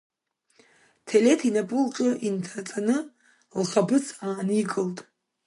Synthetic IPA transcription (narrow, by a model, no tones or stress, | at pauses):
tʰele̞tʰinapʼɨlqʼɨʔintʰat͡sʼanɨ | lχabɨt͡sʰaːnikʼɨltʼ